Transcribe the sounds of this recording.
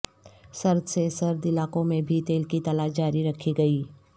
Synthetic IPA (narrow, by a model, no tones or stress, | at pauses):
sɐɾd̪sesɐɾd̪ɪlaːkõmẽbʱit̪eːlkit̪ɐlaːʃd͡ʒaːɾiɾɐkʰiɡɐiː